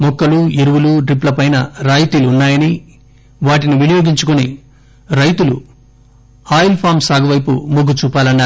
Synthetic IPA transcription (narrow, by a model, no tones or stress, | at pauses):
mɔkːɐluiɾuʋuluʈɾipːlɐpɐjnɐɾaːjit̪iːluːnːaːjɐni | ʋaːʈiniʋinijoːɡiɲt͡ʃukuni | ɾɐjt̪ulṵ | aːjilpʰaːmsaːɡɐʋɐjpṵmoɡut͡ʃuːpaːlɐnːaːɾu